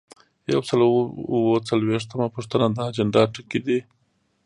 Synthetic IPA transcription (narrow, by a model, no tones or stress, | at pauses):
jawsaluwot͡salweʂt̪əmapuʂt̪ənad̪aːd͡ʒəɳɖɑʈəkid̪i